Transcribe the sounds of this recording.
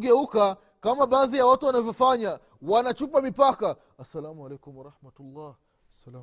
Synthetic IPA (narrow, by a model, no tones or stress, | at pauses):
ɡɛuka | kamaɓaːðijawatuwanavjɔfaɲa | wanat͡ʃupamipaka | asːalamualɛjkumwaɾˤɑħmatulːaːh | sala